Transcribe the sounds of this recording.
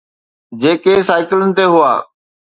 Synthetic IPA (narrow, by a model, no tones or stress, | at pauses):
d͡ʑeːkesaːɪkɪlənɪ̆t̪eɦʊaː